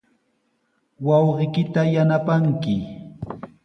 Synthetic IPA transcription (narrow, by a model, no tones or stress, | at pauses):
wɑwɢɪkɪt̪ajanapaŋkɪ